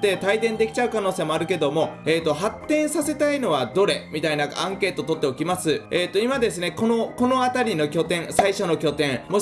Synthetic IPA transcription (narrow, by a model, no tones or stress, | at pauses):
t̪e̞t̪aid̪ẽ̞nd̪e̞kʲi̥t͡ɕaɯ̟kano̞ːseːmo̞aɾɯ̟ke̞d̪o̞mo̞eːt̪ːo̞ɦat̪ːẽ̞ɰ̃sase̞t̪aino̞βad̪o̞ɾe̞mʲit̪ainaãŋke̞ːt̪ot̪o̞t̪ːeokʲimasɨeːt̪ːo̞imad̪e̞sɨne̞ko̞no̞ko̞no̞at̪aɾʲino̞kʲo̞t̪ẽ̞ɰ̃saiɕo̞no̞kʲo̞t̪ẽ̞ŋmo̞